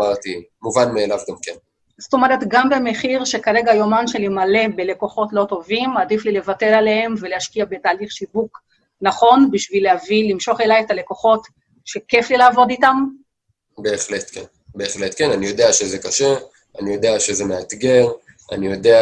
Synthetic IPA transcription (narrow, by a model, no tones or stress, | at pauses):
aʁt̪imuvanmeːlavɡamken | zoto̞meɾetɡambe̞me̞χiʁʃe̞kaʁe̞ɡajo̞manʃelimale̞be̞le̞ko̞χo̞tlo̞to̞vimadiflile̞vate̞lalehemve̞lehaʃkiabe̞taːliχʃivuk | naχo̞nbiʃvileavilimʃo̞χelajetale̞ko̞χo̞t | ʃe̞ke̞flilaːvo̞ditam | be̞ːχlet̪ken | be̞ːχlet̪kenanijo̞d̪eaʃezekaʃe | anijo̞d̪eaʃezemeat̪ɡe̞ʁ | a̰nijo̞dea